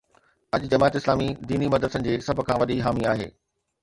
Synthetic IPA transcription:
ɐʄd͡ʑɐmaːt̪ɪslaːmid̪iːnimɐd̪əənɪ̆d͡ʑeːsɐb̆ʱkʰãːʋɐɗiɦaːmiaːɦḛː

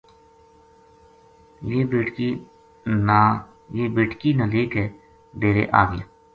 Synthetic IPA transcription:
jeːbeːʈki | naː | jeːbeːʈkiːnaːleːkɦɛː | d̪eːɾḛːʔa̰ːɡɪja̰ː

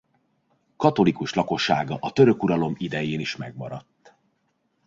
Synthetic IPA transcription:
kɒt̪o̞likuʃlɒko̞ʃːaːɡɒʔɒt̪ø̞ɾø̞kuɾɒlo̞mid̪ɛjeːniʃmɛɡ̚mɒɾɒt̪ː

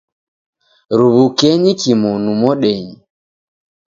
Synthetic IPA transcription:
ɾuβukɛɲikimɔnumɔɗɛɲi

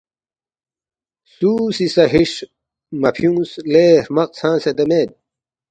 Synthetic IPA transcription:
suːsisɐɦiʂ | mɐpʰjũːsleːɾmɐq̚sʰãːsed̪ɐmeːd̪̚

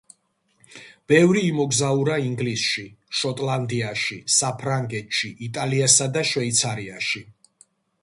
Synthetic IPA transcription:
b̥ɛvɾiːmɔɡzauɾaiŋɡlisʃiʃɔt̪ʼland̪iaʃisapʰɾaŋɡɛt̪ʃiʔːt̪ʼaliasad̪aʃvɛit̪sʰaɾiaʃi

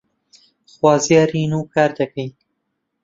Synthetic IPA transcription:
xwɑːzijaːɾiːnuːkaːɾd̪ɐkajn

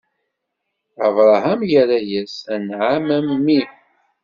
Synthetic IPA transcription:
əvɾˤɑɦamʝæɾæjæsænʕamæmːi

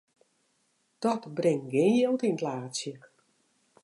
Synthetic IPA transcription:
d̥ɔtbrɪŋɡeːnjelˠtinətlaːtsjək

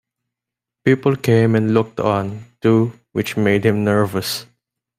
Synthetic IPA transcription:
pipəlkẽmɛ̃nlʊk̚t̪ʰɔ̃nt̪u | wɪt͡ʃmeɪd̪̚hɪ̃mnɜɹvəs

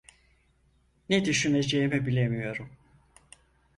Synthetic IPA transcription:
ned̪yʃyne̞d͡ʒejimibilʲemijo̞ɾum

